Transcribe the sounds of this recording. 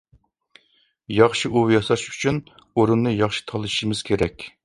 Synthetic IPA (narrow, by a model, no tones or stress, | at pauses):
jɑχʃiʔujɑsˠɑʃy̥t͡ʃʰyn | oɾunːɨjɑχʃi̥t̪ʰɑlˠɨʃʃimɪz̥kʲʰeɾɛkʲ